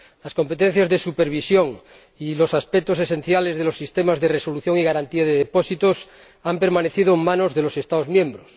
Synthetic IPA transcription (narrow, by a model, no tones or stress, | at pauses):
lasko̞mpet̪en̟θjazðesupeɾβ̞isjoŋ | ilo̞saspek̚t̪osesẽn̟θjalezðelo̞sːist̪emazðereso̞luθjoŋiɣaɾant̪iaðeðeposit̪os | ampeɾmaneθið̞oemmãnozðelosest̪aðozmjẽ̞mbɾos